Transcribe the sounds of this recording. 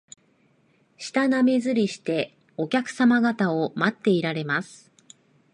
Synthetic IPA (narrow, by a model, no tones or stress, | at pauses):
ɕi̥t̪aname̞zɨɾʲiɕi̥t̪e̞ | o̞kʲakɯ̟̥samaɡat̪ao̞mat̪ːe̞iɾaɾe̞masɨ̥